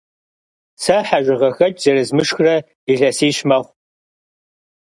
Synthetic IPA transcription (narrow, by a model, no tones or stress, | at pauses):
sɐħaʒʷɪʁɐxɐt͡ʃʼzɐrɨzmɨʂxrɐ | iɮɐsiːɕmɐʁʷ